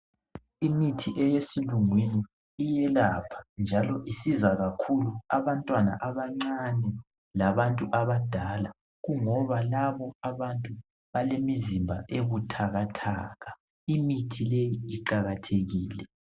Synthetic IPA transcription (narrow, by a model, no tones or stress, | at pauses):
imitʰiʔɛjesiluŋwiniː | jɛlapʰḁnd͡ʒʱalɔʔisizaɣakʰuluaβantʼwana̰ʔaβaŋ͡ǀanɛ | laβantʼuʔaβad̥ʱala | ɣuŋɔβalaβɔaβantʼu | βalemizimbʱa̰ʔeɣutʰaɣatʰa̰ːɣa | imitʰilejiːǃaɣatʰeɣiːlɛ